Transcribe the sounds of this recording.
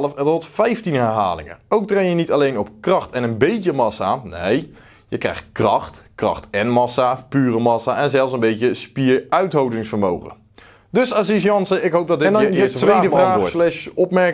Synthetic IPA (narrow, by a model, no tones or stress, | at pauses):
ləfətrɔtfɛjftinɦɛɹɦa̰ːlɪ̰ŋə̰owk̚trejjənitalejnɔpkrɑxtɛnənbejtəmɑsa̰nej | jəkrɛ̰jxt̚krɑxtkrɑ̰xtɛnmɑsapyːrəmɑsaʔɛnzɛlˠfsənbejtəspiɹœɥtɦowdɪŋsfəɹmowχə̰ | dɵsasis̬jɑnsəɪkɦowp̚dɔtdɪndjəstʋejdəvraːslɛʃɔpmɛɹk